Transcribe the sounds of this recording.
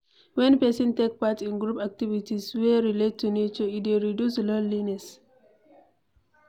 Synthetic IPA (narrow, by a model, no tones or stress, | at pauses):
wɛ̃npɛsɔ̃ntek̚patĩnɡɹupak̚tivitiswɛɹiletːunet͡ʃəitweɹidjuslɔlinɛs